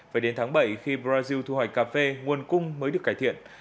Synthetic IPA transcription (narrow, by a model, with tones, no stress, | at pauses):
vaː˨˩ɗe˨˦nt̪ʰaː˨˦ŋɓə˧˩jxi˧ɓzaː˧zi˧wt̪ʰu˧hɔ˨˧˩j̚kaː˧fe˧ŋu˨˩ənkʊ˧ŋ͡mməː˨˦jɗɨ˨˩əkaː˧˩t̪ḭ˧˨ən